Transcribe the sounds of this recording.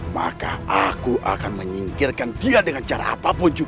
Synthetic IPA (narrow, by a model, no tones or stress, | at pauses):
ma̰ka̰akuʔa̰kanməɲiŋkirkandiadəŋant͡ʃaɾa̰ːpapʊnd͡ʒu